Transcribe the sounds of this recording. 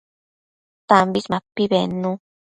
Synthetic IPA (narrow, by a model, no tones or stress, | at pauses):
t̪ambismãpːiβenũ